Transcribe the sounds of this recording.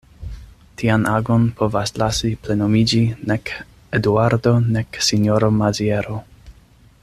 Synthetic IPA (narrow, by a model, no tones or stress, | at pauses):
tʰianʔaɡo̞npʰo̞vaslasiple̞nomid͡ʒinek | eduaɾdo̞neksinjoɾo̞mazieɾo